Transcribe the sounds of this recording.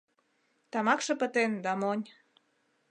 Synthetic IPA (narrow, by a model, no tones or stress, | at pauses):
t̪ɑmɑkʃɤ̆pə̆t̪end̪ɑmonʲ